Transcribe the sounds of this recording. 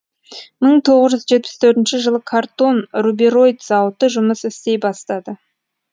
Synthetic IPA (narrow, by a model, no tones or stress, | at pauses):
məɴt̪ʰo̞ʁəzʒʏzʒe̞t̪̚pɪ̥st̪ʰɵɾt̪ɪnʃɪʒəlˠəkʰart̪o̞nrubiɾo̞jt̪z̥ɑwt̪əʒʊməsɪst̪e̞jbɑst̪ɑd̪ə